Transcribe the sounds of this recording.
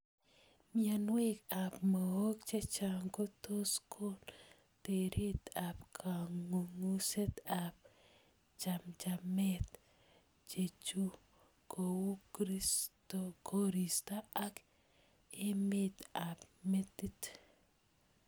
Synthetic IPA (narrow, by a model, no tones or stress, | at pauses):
mianwekapməwok̚t͡ʃet͡ʃaŋɡotoskʰol | teɾʔit̪apkʰaŋuŋuset̪ap̚ | d͡ʒamd͡ʒamɛt̪ | d͡ʒet͡ʃu | kʰowukɾistokoɾistaak | emet̪apmetit